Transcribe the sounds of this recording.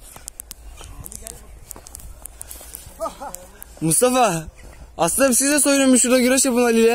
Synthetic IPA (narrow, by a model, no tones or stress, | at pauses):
must̪ʰafa | aslɯnabisizd̪ɛsojɾumuʃuɾd̪aɡyɾɛʃjapɯnalʲilɛ